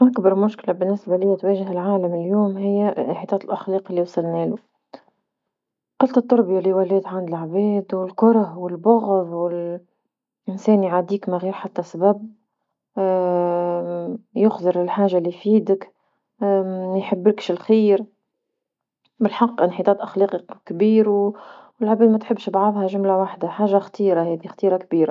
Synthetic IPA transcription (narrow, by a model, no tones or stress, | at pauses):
ʔakbɑɾˤmʊʃkɪlabɪnːɪsbalɪjːæt̪weːʒɪhɪlʕaːlamɪljoːmhɪjːɪnħit̪ˤɑːt̪ɪlʔaxliːqɪlːiwsɪlnɛːlʊ | qɑlt̪ɑt̪ːʊɾˤbjaliwalɛːd̪ʕand̪ɪlʕbɛːd̪wɪlkʊɾˤɑhwɪlbʊɣðwɪl | ʔɪnsɛːnjʕaːd̪iːkmaɣiːɾħat̪ːasabab̚ | jʊxzˤɨɾɪlħaːʒalːijfiːd̪ɪk | jħɪbːɪlkʃɪlxiːɾ | bɪlħɑqːʔɪnħit̪ˤɑːt̪ʔaxlɑːqikbiːɾwɪlʕabɛːd̪mæt̪ħɪbːʃbʕafhaʒʊmlawaħd̪aħaːʒaxt̪iːɾahɛːd̪ixt̪iːɾakbiːɾa